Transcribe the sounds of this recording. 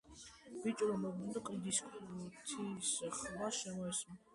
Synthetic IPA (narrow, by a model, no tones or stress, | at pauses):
b̥it͡ʃʼɾɔmɔbd̪nd̪ɔqʼɾid̪iskt̪ʰisχmaʃɛmɔɛsm